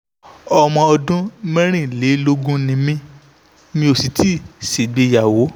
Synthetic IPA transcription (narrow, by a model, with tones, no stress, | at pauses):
ɔ˧mɔ̃˧ɔ˧dũ˦mɛ̃˦ɾ̃ĩ˦˨le˨˦lo˦ɡũ˦nĩ˧mĩ˧ | mĩ˧˦o˨si˨˦tʰi˦˨si˨ɡ͡be˨˧ja˨wo˨˦